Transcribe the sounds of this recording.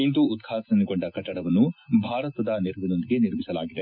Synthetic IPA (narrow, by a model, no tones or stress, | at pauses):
ind̪uːt̪kʰaːɐnikoɳɖɐkɐʈːɐɽɐʋɐnːubʱaːɾɐt̪ɐd̪ɐneɾʋinond̪iɡe̞niɾmisɐla̰ːɡid̪e